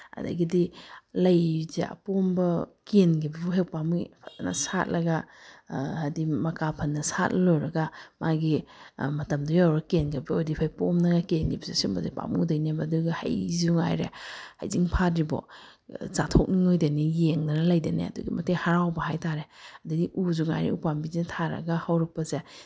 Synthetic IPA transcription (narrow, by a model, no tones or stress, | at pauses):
ɐ̰da̰ɡidilɐjzea̰pombɐkenɡibibɔɦewpamupʰatnɐ̰sat̚lɐɡa | hadimɐkapʰɐnːɐsat̚lojɾɐɡamaɡimɐtɐmdujawɾakenɡibiojdipʰajpomnɐɡakenɡḭbizesimɐzipa̰mṵŋdɐjnemɐduɡiha̰jzuŋa̰jɾḛha̰jziŋpʰatɾibɔ̰ | t͡ʃatʰok̚niŋojdenijeŋnɐnɐlajdenḛɐ̰dṵɡimɐtehaɾawbɐɦajtaɾeɐdɐdiʔuzuŋa̰jɾḛupambizintʰaɾɐ̰ɡahawɾɐk̚pɐze